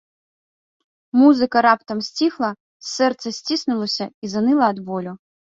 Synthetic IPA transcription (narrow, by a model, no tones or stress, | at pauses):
muzɨkɐɾapt̪ɐmsʲt͡sʲixlˠɐ | sːɛrt̪sɐsʲt͡sʲisnulˠɐsʲɐizanɨlˠɐːd̪bɔlʲu